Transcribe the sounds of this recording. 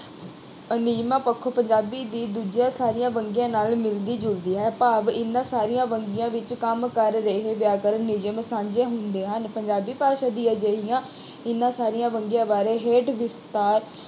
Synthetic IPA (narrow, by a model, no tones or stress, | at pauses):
nɪd͡ʒmãːpəkʰːoːpəɲd͡ʒaːbiːd̪iːd̪uːd͡ʒjãːsaːɾɪjãːʋəŋɡijãːnaːlmɪld̪iːd͡ʒʊld̪iːɦɛːpaːʋɪnːãːsaːɾijãːʋəŋɡɪjãːʋɪt͡ʃkəmkəɾːəɦeːʋjaːkəɾənɪd͡ʒəmsãːɲd͡ʒeːɦʊnd̪eːɦənpəɲd͡ʒaːbiːpaːɾʃad̪iːɛːd͡ʒeːɦɪjãː | ɪnːãːsaːɾijãːʋəŋɡjãːbaːɾeːɦeːʈʋɪst̪aːɾ